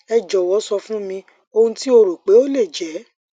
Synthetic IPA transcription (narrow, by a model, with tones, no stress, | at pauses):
ɛ˧d͡ʒɔ˨wɔ˨˦sɔ˧fũ˦mĩ˧ | o˧hũ˧ti˦o˧ɾo˨k͡pe˨˦o˦le˦˨d͡ʒɛ˨˦